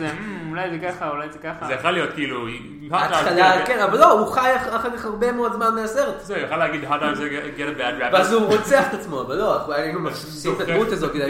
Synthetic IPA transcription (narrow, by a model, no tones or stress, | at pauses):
eulajzekaχaulajzekaχazejaχalijo̞t̪kiːlui | haat̪χalakenavalːo̞uχajaχaχakaχhaʁbemeo̞dzmanmejaseʁetzejoχalːeaɡid̪ɦatazeɡɛɾəbɛdɹaveazuʁot͡seaχe̥t̪at͡smo̞avalːo̞aχulaaimumaχ | ʃift̪ad̪mutazokida